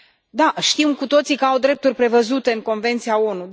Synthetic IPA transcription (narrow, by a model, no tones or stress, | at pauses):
d̪aʃt̪imkut̪o̞t̪sikəawd̪ɾe̞p̚t̪urʲpɾe̞vəzut̪e̞ɨŋko̞nve̞nt̪siao̞nu